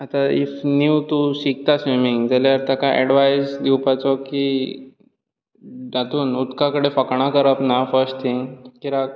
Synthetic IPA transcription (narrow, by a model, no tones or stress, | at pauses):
at̪aḭfniwt̪uɕik̚t̪asʋimiŋɡd͡zaleəɾt̪akaʔɛ̰ɽʋajsd̪iwpat͡sɔki | dat̪uːnut̪kakəɽefəkɳ̃akəɾəpnafəɾsʈt̪ʰĩŋɡkiɾak